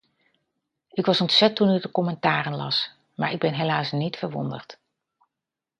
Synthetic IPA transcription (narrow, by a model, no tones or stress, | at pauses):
ɪkʋɑsɔntsɛtunydəkɔmɛntaːɾənlɑ̰s | maːɹɪɡ̚bɛnɦelaːsnitfəɹʋɔ̰ndə̰ɹt